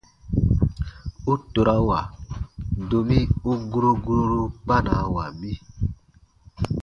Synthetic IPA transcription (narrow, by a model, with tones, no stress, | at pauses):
u˦to˨ɾa˦wa˨ | do˨mi˦u˦ɡu˦ɾu˦ɡu˦ɾu˦ɾu˦k͡pa˦na˨wa˨mi˦